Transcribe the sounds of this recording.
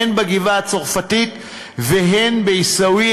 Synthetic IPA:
enbaɡivaat͡soʁfatit̪ | veɦenbeisawi

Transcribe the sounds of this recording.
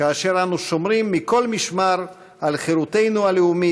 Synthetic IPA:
kaːʃe̞ʁanuʃo̞mʁimːiko̞lmiʃmaʁ | ʔalχeɾut̪e̞jnualeumi

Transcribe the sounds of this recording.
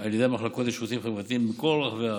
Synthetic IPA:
aljedemaχlako̞t̪jeʃut̪imχevʁat̪iimbeko̞lʁaχvea

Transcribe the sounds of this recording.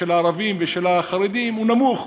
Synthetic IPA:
elaːɾavimveʃelaχaɾed̪imunamuχ

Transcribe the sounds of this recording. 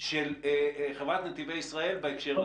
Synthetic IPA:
ʃelχevʁat̪net̪ivejisʁae̞lbeekʃeʁ

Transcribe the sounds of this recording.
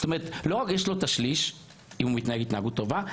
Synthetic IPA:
ot̪ome̞ʁet̪lo̞ʁakjeʃlo̞t̪aʃliʃ | imumit̪naheɡit̪naːɡut̪ːo̞va

